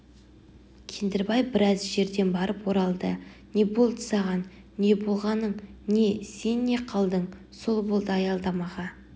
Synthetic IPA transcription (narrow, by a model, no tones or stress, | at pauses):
kʲʰe̞nd̪ɪɾbɑjbɪɾɑzʒe̞ɾd̪e̞nbɑɾəpwo̞ɾɑlˠd̪əne̞bolˠd̪əsɑʁɑnː | e̞bo̞lˠʁɑnəɴne̞senːe̞qʰɑlˠd̪əɴ | so̞lˠbolˠd̪əɑjɑlˠd̪ɑmɑʁɑ